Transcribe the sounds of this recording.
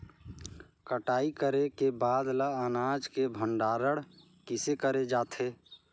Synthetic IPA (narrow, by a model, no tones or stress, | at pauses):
kəʈaːikəɾekebad̪ləənad͡ʒkebʱəɳɖaːɾəɽ | kɪsekəɾed͡ʒaːt̪ʰe